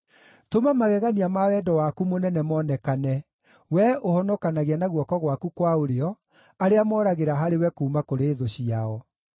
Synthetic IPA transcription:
tomamaɣɛɣaniamawɛdɔwakumonɛnɛmɔnɛkanɛ | wɛohɔnɔkanaɣeanaɣwɔkɔɣwakukwaoɾeɔ | aɾeamɔːɾaɣeɾaɦaɾewɛkoːmakoɾeːðoɕiaɔ

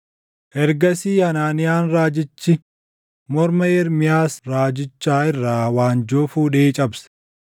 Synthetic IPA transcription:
ʔɛɾɡɐsiːhɐnaːnɪjaːnɾaːd͡ʒɪt͡ʃːɪ | mɔɾmɐɛɾmɪjaːsɾaːd͡ʒɪt͡ʃːaːɪrːaːwaːnd͡ʒoːfuːᶑeːt͡ʃʼɐbsɐ̥

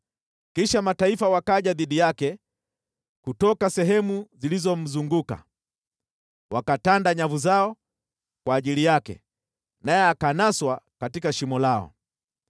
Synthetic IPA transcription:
kiʃamataifawakaʄaðiɗijakɛ | kutɔkasɛɦɛmuzilizɔm̩zuŋɡuka̰ | wakatandaɲavuzaɔ | kwaːʄilijakɛ̰ | najɛakanaswakatikaʃimɔlaɔ̰

